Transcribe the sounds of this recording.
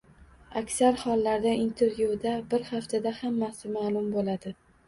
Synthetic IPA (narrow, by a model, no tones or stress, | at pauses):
akʲsaɾhɒlˠːaɾd̪aint̪ʰe̞ɾvjud̪abɪɾhaft̪ʰad̪ahamːasɪmaːlˠʊmbolad̪ɪ